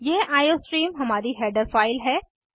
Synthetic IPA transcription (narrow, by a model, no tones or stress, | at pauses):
jeːʔaːjoːsʈɾiːmɦɐmaːɾiɦɛːɖəɾfaːɪlɦɛː